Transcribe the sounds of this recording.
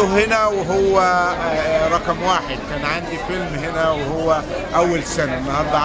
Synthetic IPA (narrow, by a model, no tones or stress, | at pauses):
ohenæweɦowːæ | ɾˤɑkmwaːħed̪̚kæːnʕand̪ifelmɦenæwehowːæ | ʔæwːælsænænːɑhɑɾˤd̪ˤɑ